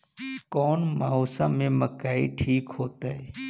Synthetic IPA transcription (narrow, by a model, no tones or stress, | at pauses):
kɔːnmaoːsãmẽməkaːḭʈʰiːkɦoːt̪aːɦɛː